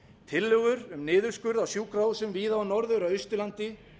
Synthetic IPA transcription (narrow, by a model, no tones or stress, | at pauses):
t̪ʰɪlːœɣʏɾʏmnɪːðʏɾ̥skʏɾðawsjuːkɾaːwsʏmviːðaanɔɾðʏɾawʏjst̪ʏlant̪ɪ